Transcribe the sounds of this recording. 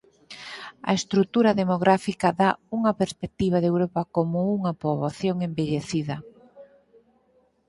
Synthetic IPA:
ɐ̰est̪ɾut̪uɾɐðemoɣɾafikɐðauŋɐpeɾspek̚t̪iβ̞ɐðewɾopɐkomʊuŋɐpoβoθjoŋembeʎeθiðɐ

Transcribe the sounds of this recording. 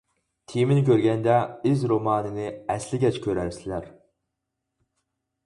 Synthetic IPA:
t̪ʰijmɪnɪkʲʰøɾɡʲɛnd̪ɛizɾomɑːnɨnɨɛslɪɡʲɛt͡ʃkʲʰøɾæɾsɪlæɾ

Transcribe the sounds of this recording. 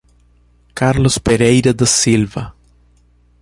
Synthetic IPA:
kaɾlʊspeɾejɾɐd̪ɐsilvɐ̰

